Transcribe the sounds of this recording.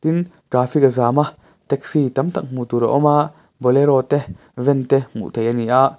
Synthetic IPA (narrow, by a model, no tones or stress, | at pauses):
t̪inɡɾaːfikazaːma | t̪ɛk̚sit̪ɐmt̪ɐk̚mut̪uɾa̰ʔɔmaʔ | bɔlɛɾɔt̪ɛ | vɛnt̪ɛmṵʔt̪ʰejaniʔaʔ